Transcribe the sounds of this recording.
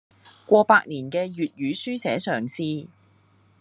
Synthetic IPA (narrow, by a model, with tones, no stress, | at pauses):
kʷɔː˧paː˧k̚niː˨˩nkɛː˧jyː˨t̚jyː˨˥syː˥sɛː˨˥sœː˨˩ŋsiː˨